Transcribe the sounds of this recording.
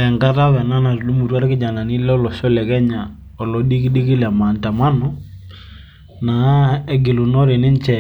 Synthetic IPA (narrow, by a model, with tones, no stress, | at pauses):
ɛ˨ŋka˦ta˦βɛ˨na˦na˨ɾlu˦mu˨twa˦ɾkɪ˦d͡ʒa˨na˨nɪ˦lɔ˦lɔ˨ʃɔ˦lɛ˨kɛ˦ɲa˨ | ɔ˨lɔ˨ɗi˦kɪ˦dɪ˦kɪ˦lɛ˨ma˨nta˨ma˦nɔ˨˦ | na˨˦ɛ˦ɡɪ˨lu˨nɔ˦ɾe˨nɪ˦nt͡ʃɛ˨